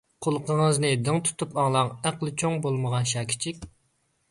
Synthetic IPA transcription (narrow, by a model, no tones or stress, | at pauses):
qʰolˠqʰəŋəznɨd̪ɨŋt̪ʰu̥t̪ʰupɑŋlˠɑŋæqlˠɨt͡ʃʰoŋbolˠməʁɑnʃɑːkʲʰi̥t͡ʃʰikʲ